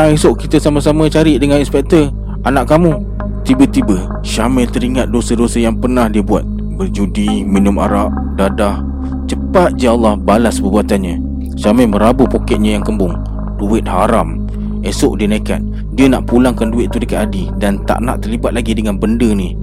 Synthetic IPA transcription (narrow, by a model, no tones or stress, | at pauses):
aŋesʊʔkit̪əsamasamə̃t͡ʃaɾɪʔdəŋaninspɛk̚t̪ə | anaʔkamu | t̪ibət̪ibə | ʃamɛlt̪əɾiŋat̪̚dosədosəjaŋpərnahdiəbuat̪̚ | bərd͡ʒudiminʊma̰ɾaʔ | dadah | t͡ʃəpat̪̚d͡ʒaɑlːɑhbalaspəbuat̪anɲa | ʃamɛməɾabupokɛʔ̪̚ɲəjaŋkəmbʊŋ | duɪt̪̚haɾam | esʊʔ̚dinaka̰n̚ | diənaʔpulaŋkanduɪt̪̚ːudəkat̪adidant̪a̰ʔna̰ʔt̪ərlibat̪̚laɡidəŋanbəndəni